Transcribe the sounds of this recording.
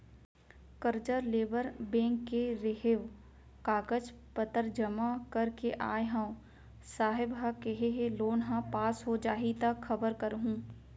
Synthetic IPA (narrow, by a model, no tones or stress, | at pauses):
kəɾd͡ʒəɾleːbəɾbẽːŋkːeɾeɦeʋ | kaːɡəd͡ʒ | pət̪əɾd͡ʒəmakəɾkeʔaːjɦã | saːɦɪbɦakeɦeɦeloːnɦãpaːsɦod͡ʒaːɦit̪əxɐbəɾkəɾɦũː